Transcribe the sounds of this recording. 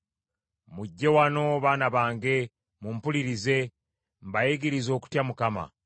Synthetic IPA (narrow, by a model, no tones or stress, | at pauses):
muɟːe̞wano̞βaːnaβaːŋɡe̞ | mumpuliɾize̞ | mbajeɡiɾizo̞ːku̥tjamukama̰